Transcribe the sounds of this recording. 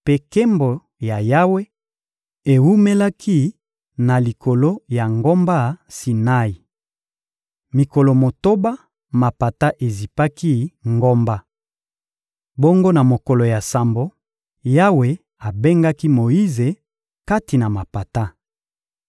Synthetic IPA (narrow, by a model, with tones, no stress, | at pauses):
pe˦ke˦mbo˨ | ja˨ja˦we˦ | e˨wu˦me˦la˦kʰi˦ | na˨li˨kʰo˨lo˦ja˨ŋɡo˦mba˦si˨na˦i˨ | mi˨ko˨lo˨mo˨to˦ba˦ | ma˨pa˨ta˦ʔe˨zi˨pa˦ki˦ŋɡo˦mba˦ | bo˦ŋɡo˦na˨mo˨ko˨lo˨ja˨sa˨mbo˨ | ja˦we˨ | a˨be˦ŋɡa˦ki˦mo˨i˦ze˨ | ka˦ti˨na˨ma˨pa˨ta˦